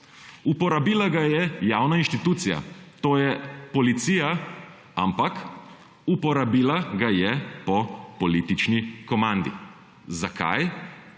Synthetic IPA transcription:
upɔɾabiːlaɡajɛjaːwnainʃt̪it̪uːt̪sija̰t̪oːjɛpɔlit̪siːja | ampak | upɔɾabiːlaɡajɛpɔpɔliːt̪it͡ʃnikɔmãnd̪ḭ | zakʰa̰j

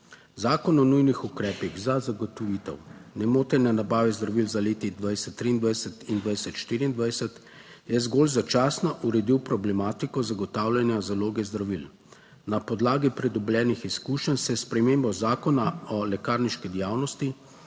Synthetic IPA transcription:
zaːkɔnɔnujnixukɾɛːpiɣzazaɡɔt̪ɔʋiːt̪ɛ̰wnɛmoːt̪ɛnɛnabaːʋɛzd̪ɾaʋilzaleːt̪id̪ʋajsɛt̪ːɾiːnd̪ʋajsɛt̪ind̪ʋajsɛt̪ʃt̪iːɾiːnd̪ʋajsɛt̪ | jɛzɡoːlzat͡ʃaːsnaʔuɾɛd̪iwpɾɔblɛmaːt̪ikɔzaɡɔt̪aːwlʲanjazaloːɡɛzd̪ɾaʋil | napɔd̪laːɡipɾɛd̪ɔblɛːnixiskuːʃənsɛspɾɛmeːmbɔzaːkɔnaɔlɛkaːɾniʃkid̪jaːwnɔst̪i

